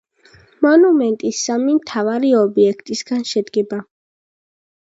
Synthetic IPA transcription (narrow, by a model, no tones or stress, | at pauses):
mɔnumɛnt̪ʼisːamimt̪ʰavaɾiɔbiɛkʰt̪ʼisɡanʃɛd̪ɡɛba